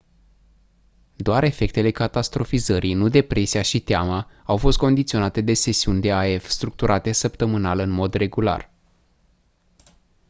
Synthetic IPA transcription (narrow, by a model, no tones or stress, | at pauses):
d̪oaɾe̞fe̞k̚t̪e̞le̞kat̪ast̪ɾo̞fizəɾijnud̪e̞pɾe̞siaʃit̪eamaawfo̞st̪̚ko̞nd̪it̪sio̞nat̪e̞d̪e̞se̞siunʲd̪e̞ae̞fst̪ɾuk̚t̪uɾʔat̪e̞səpt̪əmɨnalɨnmo̞d̪re̞ɡula̰r